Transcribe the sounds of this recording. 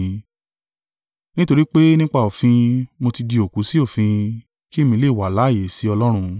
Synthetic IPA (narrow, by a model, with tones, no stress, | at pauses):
ĩ˨˧ | nĩ˦to˧ɾi˦k͡pe˦nĩ˦k͡pa˦˨o˨fĩ˧mo˧ti˧di˧o˨ku˨˦si˦o˦˨fĩ˧ | ki˦˨mĩ˧˦le˦˨wa˨la˨˦˨je˨si˨˦ɔ˧lɔ˦ɾ̃ũ˧